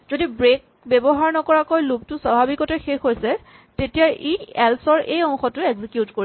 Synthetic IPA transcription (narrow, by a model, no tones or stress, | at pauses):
zodibɹek̚ | bɛbɔɦaɹnɔkɔɹakojlub̚tʊsabʱabikɔtɛxexɦojsɛ | tetijaʔiɛlsɔɹʔejɔŋxɔtʊɛɡzikjutkoɹi